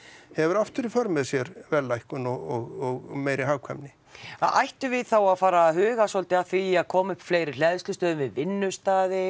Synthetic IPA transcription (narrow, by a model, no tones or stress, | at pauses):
hɛvʏɾaft̪ʏɾifœɾmɛðsjɛɾvɛlːajhkʏnɔɣɔɣɔɣmeːjɾɪɦaːwkʰvɛmnɪ | aʔajht̪ʏvɪðθawaðfaːɾaɦʏːɣasɔlt̪ɪaðθviaðkʰɔːmʏhpfleːjɾɪɾlɛðɪst̪ʏst̪œːðʏnvɪðvɪnːʏst̪aːðɪ